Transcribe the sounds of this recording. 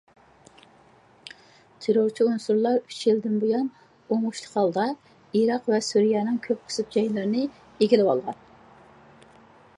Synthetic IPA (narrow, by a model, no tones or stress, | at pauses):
t̪ʰeɾoɾt͡ʃʰiunsuɾlˠɑɾyt͡ʃʰjild̪ɪnbujɑn | oŋuʃlˠə̥qʰɑlˠd̪ɑ | iɾɑqvɛsuɾijɑnɨŋkʲʰøp̚qʰə̥sɨp̚d͡ʒɑjlˠɑɾnɨ | eɡʲilɪwɑ̰lˠʁɑ̰n